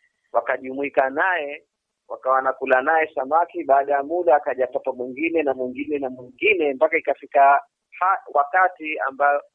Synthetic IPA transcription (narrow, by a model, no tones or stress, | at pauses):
wakaʄumuikanajɛ | wakawanakulanajɛsamakiɓaːɗajamuɗaːkaʄatapamwiŋɡinɛnamwiŋɡinɛnamwiŋɡinɛmpakaikafika | hawakatia̰mbajɔ